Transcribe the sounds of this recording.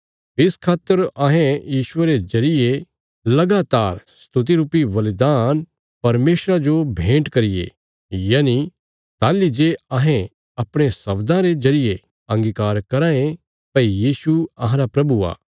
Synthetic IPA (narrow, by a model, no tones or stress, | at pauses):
ɪskʰaːt̪ːəɾɐɦẽjiːʃʊeɾezɐɾɪje | lɐɡaːt̪aːɾsst̪ʊt̪̬iɾuːpiʋɐlɪd̪aːn | pɐɾmeːsɾad͡ʒobʱẽːʈkɐɾɪjḛ | jaːni | t̪aːlid͡ʒeɐ̃ɦẽ | ɐpɽ̃esɐbd̪ãɾezɐɾɪje | ɐ̃ŋɡikaːɾkɐɾãːẽ | pɐijiːsuɐɦãɾapɾɐbua̰ː